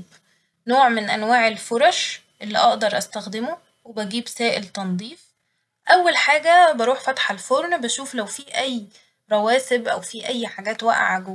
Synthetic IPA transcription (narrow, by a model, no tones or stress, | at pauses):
b | noːʕmenʔænwaːʕelfoɾˤɑʃ | ʔelːḭʔɑʔd̪ɑɾˤʔæst̪æxd̪emo | webæɡiːbsæːʔḛlt̪ɑnd̪ˤiːf | ʔæwːælħaːɡæbɑɾˤuːħfæt̪ħalfoɾˤnbæʃuːflæwfiːʔæjː | ɾˤɑwæːsebʔæwfiːʔæjːħaɡæːt̪wæ̰ʔʕaɡo